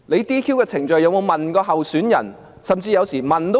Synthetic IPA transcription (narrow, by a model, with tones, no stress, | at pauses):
le˨˧jt̪iː˥kʰiː˥wkɛː˧t͡sʰɪ˨˩ŋt͡ʃɵ˨˧ɥjɐ˨˧wmo˨˧wmɐ˨nkɔː˧ɦɐ˨wsyː˨˥njɐ̰˨˩n | sɐ˨mt͡siː˧jɐ˨˧wsiː˨˩mɐ˨nt̪